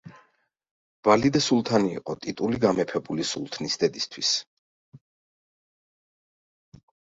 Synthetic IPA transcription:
b̥alid̪asulˠt̪ʰanḭːqʼɔt̪ʼit̪ʼuliɡamɛpʰɛbulisulˠt̪ʰnisd̪ɛd̪ist̪ʰwis

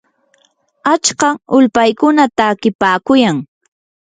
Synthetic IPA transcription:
at͡ʃkɑʊlpajkʊnat̪akɪpaːkʊjaŋ

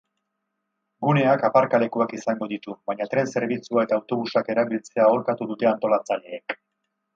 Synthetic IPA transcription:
ɡune̞akapaɾkale̞kuakisaŋɡo̞ðit̪uβaɲat̪ɾe̞nse̞ɾβit͡suae̞t̪aːwt̪o̞βusake̞ɾaβilt͡se̞ao̞lkat̪uðut̪e̞ant̪o̞lat͡saʎe̞ːk

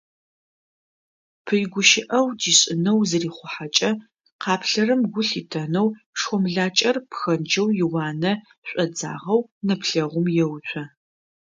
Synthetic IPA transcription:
pʰɨjɡʷʊʃɪʔɐwd͡ʒiːɕʼɪnɐwzɨriːχʷʊħat͡ʃʼɐ | qʰɑːpʰɬɐrɨmɡʷʊɬitʰɐnɐw | ʂxɔmɮaːt͡ʃʼɐrpxɐnd͡ʒɐwjɪwɑːnɐ | ɕʷʼɔd͡za̰ːʁɐwnɐpʰɬɐʁʷʊmjɛwɕʷʰɐ

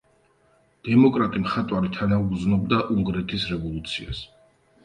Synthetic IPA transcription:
d̪̥ɛmɔkʼɾat̪ʼimχat̪ʼwaɾit̪ʰanauɡd̪znɔb̚d̪aʔuŋɡɾɛt̪ʰisɾɛvɔlˠut̪sʰia̰s

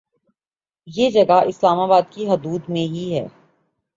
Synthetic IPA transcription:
jeːd͡ʒɐɡaʔɪslaːmaːbaːd̪̚kiɦɐd̪uːd̪mẽɦiɦɛ̰ː

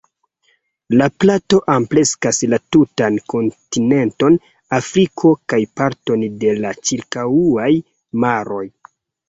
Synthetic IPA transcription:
laplato̞ʔample̞skaslatutanko̞ntine̞nto̞n | afɾikʰo̞kajpaɾtonde̞lat͡ʃiɾkawuaj | maɾo̞j

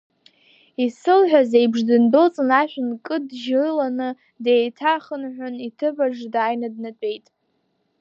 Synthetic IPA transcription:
isɨlħʷᶣazejbʐdɨndo̞t͡sʼɨnaʃʷᶣʊnkʼɨdʒɨlanɨ | dejtʰaχənħʷᶣʊnitʰɨbaʐdaːjnad̚nat͡pʷʼe̞jtʼ

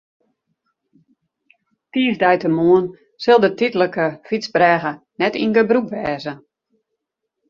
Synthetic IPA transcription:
tiːəvdɛjtəmuən | sɪlˠdətitələkəfit͡sbrɛːɣə | nɛtinɡəbrukʋɛːzə

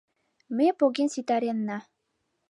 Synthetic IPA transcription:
mepoɣensit̪æɾenːɑ

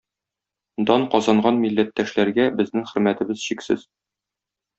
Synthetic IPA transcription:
d̪ɒɴqɒzɑɴɢɑnmilːæt̪ːæʃlæɾɡæbɘ̆znɘŋχɘ̆ɾmæt̪ɘ̆bɘzɕiksɘ̰z̥

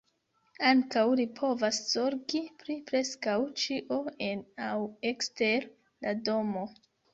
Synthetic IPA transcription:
aŋkawlipʰo̞vasz̥oɾɡipɾipɾe̞skawt͡ʃiʔo̞enawekste̞ɾ | lado̞mo̞

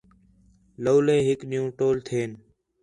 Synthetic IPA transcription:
loːleːɦɪkɗɪjũːʈoːlt̪ʰeːn

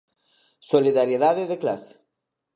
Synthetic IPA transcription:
soliðaɾjeðaðeðeklase̥

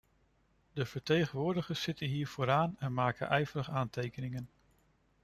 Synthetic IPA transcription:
dəv̥əɹtejχənʋʊːɹdəχəɹssɪtənɦiːɹv̥oːɾaːnɛnmaːkə̰nʔɛjvəɾəχaːntejkənɪŋən

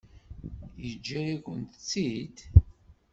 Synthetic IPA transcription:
jəd͡ʒːæjakʷənt̪t͡sːid̪

